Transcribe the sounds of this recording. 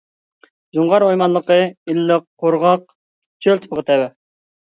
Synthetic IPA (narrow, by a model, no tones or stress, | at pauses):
zuɴʁɑɾojmɑnlˠəqəilːɪqʰːoɾʁɑq̚ | t͡ʃʰølt̪ʰɨ̥pəʁət̪ʰɛwɛ